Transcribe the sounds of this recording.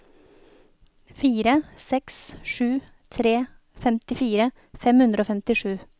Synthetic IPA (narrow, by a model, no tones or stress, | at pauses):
fiːɾəsɛksʂʉː | t̪ʰɾeː | fɛmt̪ɪfiːɾə | fɛmhʉnd̪ɾoːfɛmt̪ɪʂʉː